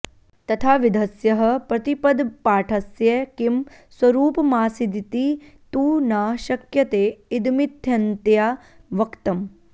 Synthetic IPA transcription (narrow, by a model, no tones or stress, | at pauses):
t̪ɐt̪ʰaːʋid̪ʱɐsjɐɦɐ̆pɾɐt̪ipɐd̪paːʈʰɐsjekimswɐɾuːpɐmaːsid̪it̪i | t̪uːnaːʃɐkjɐt̪eːid̪mit̪ʰjɐnt̪jaːʋɐkt̪ɐm